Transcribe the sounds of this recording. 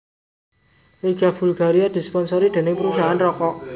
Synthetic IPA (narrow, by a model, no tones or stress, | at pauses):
eɡ̥a̤b̥ṳlɡ̥aɾiad̪̥i̤spɔnsɔɾid̪̥e̤nɪŋpəɾusaɦanrɔkɔʔ